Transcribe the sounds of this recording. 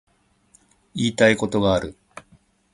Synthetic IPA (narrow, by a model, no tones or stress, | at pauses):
iːt̪aiko̞t̪o̞ɡaːɾɯ̟